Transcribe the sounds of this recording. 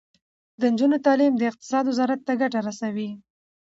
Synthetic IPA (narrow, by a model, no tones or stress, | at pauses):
d̪ənd͡ʒunot̪ɑlimd̪əɪq̚t̪ɪ̥sɑd̪wʊzɑɾat̪ːaɡaʈaɾasawi